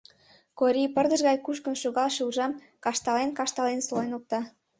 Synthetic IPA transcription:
koɾʲipə̆rd̪ə̆ʒɣɑjkuʃkə̆nʃuɣɑlʃuwʒɑm | kɑʃt̪ɑlenkɑʃt̪ɑlensolenok̚t̪ɑ

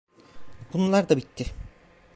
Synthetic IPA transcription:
bunulˠaɾd̪abit̪ʰːɪ

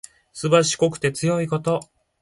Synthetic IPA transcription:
sɨbaɕi̥ko̞kɯ̟̥t̪e̞t͡sɨjo̞iko̞t̪o̞

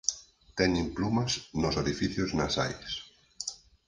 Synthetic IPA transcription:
t̪ɛɲimplumɐsnosoðifiθjoznasajs

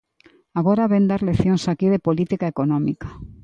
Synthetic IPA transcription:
aɣ̞oɾaβend̪aɾleθjõŋsakiðepolit̪ikaekonɔ̃mika

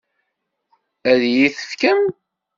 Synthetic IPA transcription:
æðjiθə̥fkəm

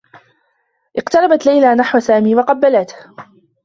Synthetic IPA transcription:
ʔɪqt̪ɑɾˤɑbat̪lajlaːnaħwasaːmiːwɑqɑbːalat̪h

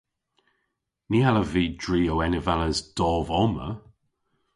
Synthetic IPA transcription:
niːaləviːdɹiːowɛnəvaləzd̥ɔːvɔmə̰

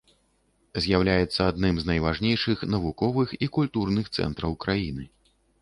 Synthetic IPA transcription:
zʲjawlʲajɛt̪sːɐad̪nɨmznɐjvaʐnʲejʂɨxnɐvukɔvɨxikulʲt̪urnɨxt̪sɛ̰nt̪ɾɐwkɾajinɨ

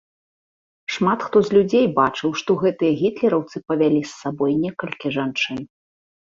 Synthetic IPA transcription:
ʂmat̪xt̪ɔzʲlʲud͡zʲejbat͡ʂɨwʂt̪ɔɣɛt̪ɨjɐɣʲit̪lʲɛɾɐwt̪sɨpɐvʲalʲisːabɔjnʲɛkɐlʲkʲiʐant͡ʂɨn

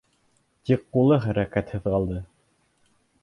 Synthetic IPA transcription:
t̪iqːulˠɤχæɾækæt̪hɘ̆ðʁɑlˠd̪ɤ

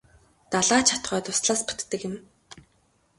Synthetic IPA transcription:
t̪aɮaːt͡ɕʰḁt̪χœːt̪ʊsɮaːspu̥t̪ːɘ̆kjɪ̆m

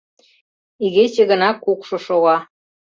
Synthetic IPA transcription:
iɣet͡ɕĕɣə̆nɑkukʃŏʃoɣɑ

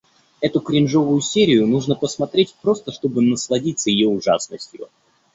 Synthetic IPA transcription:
ɛt̪ʊkɾʲɪnʐo̞vʊjʊsʲeɾʲɪjʊnuʐnəpəsmɐt̪ɾʲetʲpɾo̞st̪əʂt̪o̞bɨnəslˠɐdʲit̪səjɪjoʊʐa̰snəsʲtʲjʊ

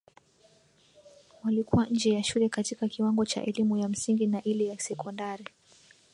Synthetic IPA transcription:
walikuwaɲ̩d͡ʒɛjaʃulɛkatikakiwaŋɡɔt͡ʃa̰ʔɛlimujam̩siŋɡinaʔilɛjasɛkɔndaɾi

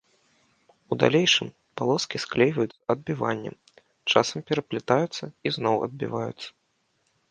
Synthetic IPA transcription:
ud̪a̰lʲejʂɨm | palˠɔskʲisklʲejvɐjut̪sɐd̪̚bʲivanʲːɛ̰m | t͡ʂasɐmpʲɛɾɐplʲit̪ajut̪sːɐiznɔwɐ̰d̪̚bʲḭvajṵt̪sːɐ̥

